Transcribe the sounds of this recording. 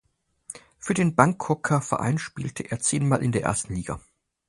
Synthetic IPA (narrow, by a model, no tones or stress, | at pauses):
fyːɐdeːnbaŋkʰːɔkʰɐfɛ̰ɐʔa̰ɪnʃpiːltʰəʔeːɐt͡seːnmaːlʔɪ̰ndeːɐḛɐstn̩liːɡa̰